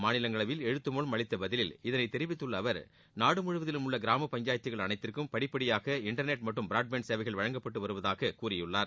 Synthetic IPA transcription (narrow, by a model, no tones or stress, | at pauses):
maːnɪlɐŋɡɐɭɐʋɪlɛɻɯt̪ːɯmoɭmɐɭɪt̪ːɐbɐðɪlɪlɪðɐnɐɪt̪ːɛɾɪʋɪt̪ːɯɭːɐːʋɐɾ | naːɽɯmʊɻɯʋɐðɪlɯmʊɭːɐɡɪɾaːmɐpɐɲd͡ʒaːjɐt̪ːɪɣɐɭɐnɐɪt̪ːɪrkɯmpɐɽɪpːɐɽɪjaːɣɐɪɳʈɐɾneʈ̚mɐʈːɯmbɪɾaːɖ̚benseːʋɐɪɣɐɭʋɐɻɐŋɡɐpːɐʈːɯʋɐɾɯʋɐðaːɣɐkuːrɪjɯɭːaːɾ